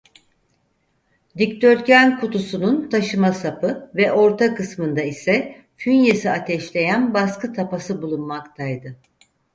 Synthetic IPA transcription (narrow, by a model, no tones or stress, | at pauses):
d̪ict̪ʰøɾcʰænkʰut̪usununt̪ʰaʃɯmasapɯvɛʔo̞ɾt̪ʰakɯsmɯnd̪aisɛ | fynjesiat̪ʰɛʃlʲe̞jænbaskɯt̪ʰapasɯbulˠunmakt̪ʰajd̪ɯ